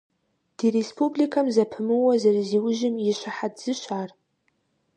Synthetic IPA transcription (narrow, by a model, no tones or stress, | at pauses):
d̥irespublikʰamzapʰɨmɨwazarziwʊʒɪmiʃʷaħadz̥ɨʃʷar